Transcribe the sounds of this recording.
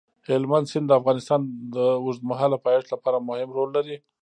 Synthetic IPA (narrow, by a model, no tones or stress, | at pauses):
hɪlmand̪sɪnd̪əafɣɑnɪst̪ɑnd̪əʊʐd̪maɦɑlapɑjeʈlapɑɾamʊhɪmɾolːaɾi